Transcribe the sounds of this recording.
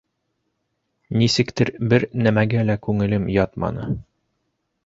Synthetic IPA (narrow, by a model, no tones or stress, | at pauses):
nisɘ̆kt̪ɘɾbɘɾnæmæɡælækʉŋɘ̆lɘmjɒt̪mɑ̰nɤ